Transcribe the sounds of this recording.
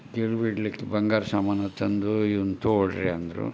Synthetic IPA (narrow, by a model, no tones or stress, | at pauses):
keɭuʋiɖlikːebɐŋɡaːɾɐsɐmaːnɐt̪ʰːɐnd̪uiʋunt̪uoɭɾeɐnd̪ɐɾṵ